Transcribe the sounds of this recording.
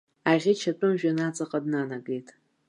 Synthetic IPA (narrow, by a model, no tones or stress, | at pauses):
aʁʲɪt͡ʃʰatʷʼʊmʒᶣanat͡sʼaqʼadnanaɡejtʼ